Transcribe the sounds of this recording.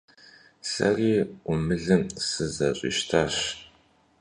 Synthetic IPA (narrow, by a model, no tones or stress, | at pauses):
sɐ̰riːʔʷʊmɨɮɨmsɨzɐɕʼḭːʃtʰaːɕ